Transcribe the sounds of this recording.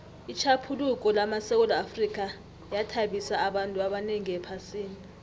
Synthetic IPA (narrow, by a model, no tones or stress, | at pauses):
it͡ʃʰapʰuluk̬ʼɔlamasɛk̬ɔlɔafrik̬ʼa | jatʰaɓisaːɓantʼuaɓaneŋiɛpʰasiːni